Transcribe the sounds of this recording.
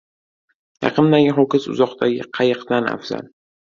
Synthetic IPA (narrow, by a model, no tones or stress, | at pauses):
jɑ̰qʰɨnd̪aɡʲɪɦokʲɪsʊ̰zɒqt̪aɡʲɪqʰɑjɨqd̪ana̰fza̰l